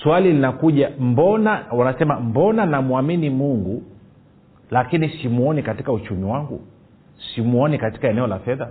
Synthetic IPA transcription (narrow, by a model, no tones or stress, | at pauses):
swalilinakuʄambɔnawanasɛmambɔnanamuaminimuŋɡu | lakinisimuɔnikatikaut͡ʃumiwaŋɡṵ | simuɔnikati̥kaɛnɛɔlafɛða